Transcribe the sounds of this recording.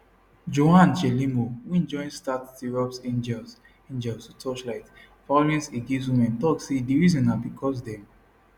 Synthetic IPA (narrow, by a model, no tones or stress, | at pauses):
d͡ʒoãnt͡ʃelimowiɛ̃nd͡ʒɔ̃ɪ̃nstattiɹɔpsẽnd͡ʒɛs | ĩnd͡ʒɛlsutʰɔʃlaɪt | falɛ̃nsiɡis̬wĩmɛ̃ntɔksediɹizɔ̃nabikʰɔs̬dɛm